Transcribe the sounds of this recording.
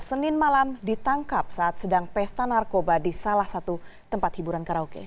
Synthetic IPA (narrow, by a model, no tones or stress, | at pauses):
sənɪnmalamdit̪aŋkap̚saʔːt̪̚sədaŋpɛst̪anarkobadisalahsat̪ut̪əmpat̪hibuɾankaɾaukḛ